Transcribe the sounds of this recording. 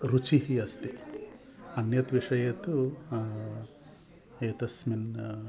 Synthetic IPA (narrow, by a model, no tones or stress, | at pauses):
ɾut͡ʃiɦiɐst̪i | ɐnjɐt̪ʋiʂɐjɐt̪u | et̪ɐsmin